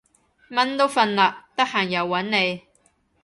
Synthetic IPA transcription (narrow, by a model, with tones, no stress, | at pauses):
mɐ˥nt̪o˥wfɐ˧nlaː˨k̚t̪ɐ˥k̚haː˨˩ŋjɐ˨wːɐ˨˥nne˨˧j